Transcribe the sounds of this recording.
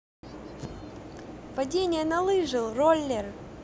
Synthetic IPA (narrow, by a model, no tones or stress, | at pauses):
pɐdʲenʲɪjənɐlˠɨʐɨlˠrolʲːer